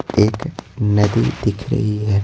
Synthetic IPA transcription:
eːknɐd̪ḭd̪ɪkʰɾɐ̰ɦiɦɛ

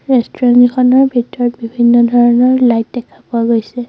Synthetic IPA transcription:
ɹɛstɹanikʰɔnɔɹbʱitɔɹɔt̚bibʱinːɔdʱɔɹɔnɔɹlajt̚dɛkʰabʊaɡojsɛ

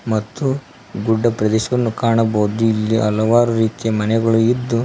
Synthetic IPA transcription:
mɐt̪ːu | ɡuɖːɐpɾɐd̪ɛːʃɐʋɐnːukaːɳɐbɐwud̪uilːiʔɐlɐʋaːɾuɾiːt̪jɐmɐnɛɡɐɭuid̪ːu

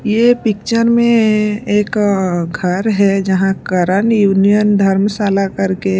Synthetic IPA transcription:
jepɪk̚t͡ʃəɾmẽeːkɡʱəɾɦɛd͡ʒəɦãkəɾənjuːnijənd̪ʱɐɾmsaːlakɐɾke

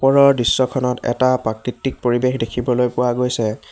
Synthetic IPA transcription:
pɔɹɔɹdisːɔkʰɔnɔtɛ̰tapɹakɹitːik̚poɹibexdekʰibɔlojpʊwaɡojsɛ

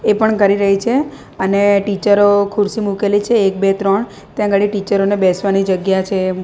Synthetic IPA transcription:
epəɳkəɾiɾəɦit͡ʃʰe | əneʈit͡ʃəɾokʰʊɾsimukelit͡ʃʰeːk̚bet̪ɾəɳ | t̪jãɡəɭiʈit͡ʃəɾonebɛsʋanid͡ʒəɡjat͡ʃʰe

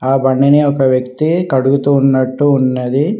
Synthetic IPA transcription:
aːbɐɳɖɐneɔkɐʋjɐkt̪ikɐɽuɡut̪unːɐʈːuːnːɐd̪i

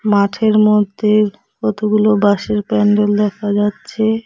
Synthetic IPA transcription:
maʈʰeɾmod̪ʱːe | kɔt̪oɡulobaʃeɾpɛɳɖold̪ɛkʰad͡ʑatːɕʰe

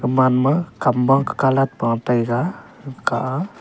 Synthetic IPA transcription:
əmanməkambaŋkə̥kalat̪̚pəŋat̪ajka | kaʔa

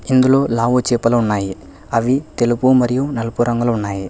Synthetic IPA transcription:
ind̪ulo̞ːlaːʋut͡ʃiːpɐlɐunːaːji | ɐʋit̪e̞lupumɐɾijunɐlupuɾɐŋɡulɐunːaːji

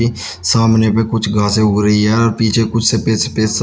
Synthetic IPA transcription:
i | saːmneːpekʊt͡ʃʰɡʱaːseːʊɡɾəɦiɦɛːɔːɾpiːt͡ʃʰeːkʊt͡ʃʰsepeːsepeːs

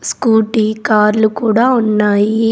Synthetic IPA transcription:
skuːʈiːkaːɾlukuːɽaːunːaːji

